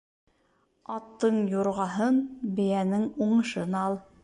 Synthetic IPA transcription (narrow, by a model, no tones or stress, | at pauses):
ɑt̪ːɤɴjuɾʁɑɦɤnbɘ̆jænɘŋuɴɤ̆ʃɤnɑlˠ